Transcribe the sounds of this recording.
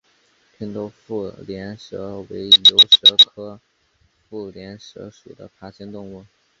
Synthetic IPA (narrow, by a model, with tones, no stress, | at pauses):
p̪ʰi˥nt̪o˥˧ʊfu˥˩ljɛ˧˥nʂɤ˧˥wḛ˧˥ɪjo˧˥ʊʂɤ˧˥kʰɤ˥ | fu˥˩ljɛ˧˥nʂɤ̰˧˥ʂu˨˩d̪ə̰˦pʰa˧˥t͡ɕʰi˥nt̪ʊ˥˧ŋu˥˩